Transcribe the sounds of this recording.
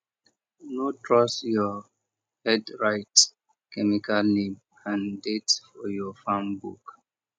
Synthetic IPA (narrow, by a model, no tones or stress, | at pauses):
notɹɔsjɔ | hɛdɹaɪt | kɛmikalnĩm | ãndetfɔjɔfãmbṵk